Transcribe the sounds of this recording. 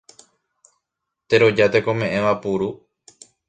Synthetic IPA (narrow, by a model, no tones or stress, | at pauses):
t̪e̞ɾo̞d͡ʒat̪ekõ̞mẽ̞ʔẽʋapuɾu